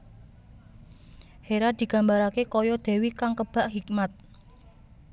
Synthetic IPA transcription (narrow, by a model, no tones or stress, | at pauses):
heɾad̪̥i̤ɡ̥ä̤mbaɾakekɔjɔd̪̥e̤wikaŋkəb̥a̤ʔɦikmat̪̚